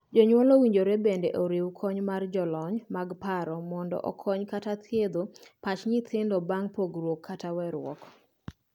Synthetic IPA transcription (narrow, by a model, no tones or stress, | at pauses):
d͡ʒɔɲwɔlowiɲd͡ʒoɾebendeʔoɾiwkʰɔɲmard͡ʒɔlɔɲmaɡpaɾɔmɔndɔ̰ʔɔ̰kʰɔɲkatat̪ʰjed̪opat͡ʃɲɪt̪ʰɪndɔbaŋpoɡɾwokʰːatawɛɾw̰ɔ̰kɔ̥